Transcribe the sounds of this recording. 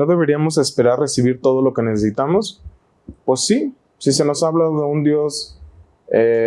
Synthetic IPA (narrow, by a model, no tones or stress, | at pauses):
no̞ðe̞β̞e̞ɾiamo̞se̞spe̞ɾarre̞siβiɾt̪o̞ðo̞lo̞ke̞ne̞sesit̪amo̞s | pwe̞sːi | sis̬e̞no̞saβlaðe̞und̪jo̞s | e